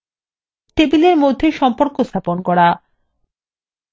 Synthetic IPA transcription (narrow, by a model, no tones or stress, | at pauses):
ʈebileɾmod̪ʱːeʃɔmpoɾkost̪ʰaponkɔɾa